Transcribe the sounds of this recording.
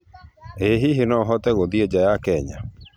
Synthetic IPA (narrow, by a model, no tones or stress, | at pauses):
eɦiɦenɔɦɔtɛɣoðied͡ʑajakɛɲa̰